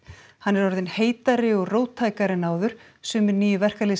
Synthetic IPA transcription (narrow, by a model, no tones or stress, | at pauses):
hanːɛɾɔɾðɪnheːjt̪aɾɪɔɣroːwt̪ʰːaːjkaɾɪnaːwðʏɾ̥ | sʏːmɪɾniːjʏvɛr̥kal